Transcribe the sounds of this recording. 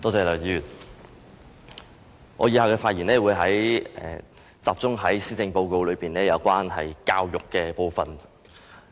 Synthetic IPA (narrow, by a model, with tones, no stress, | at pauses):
t̪ɔː˧t͡sɛː˨˩lɐ˨˩jyː˨˩t̪̚ | ŋɔː˨˧jiː˧haː˨˧wkɛː˧faː˧t̚ji˨˩nɛː˥wuː˨˧jɦɐ˨˥jɛ˨˩ | t͡saː˨p̚t͡sʊ˥ŋɦɐ˨˥jsiː˥t͡sɪ˧ŋpo˧wko˧wlɵ˨˧piː˨nɛː˥jɐ˨˧wkʷwaː˥nɦɐ̰˨jkaː˧wjʊ˨kːɛː˧po˧wfɐ̰˨˩n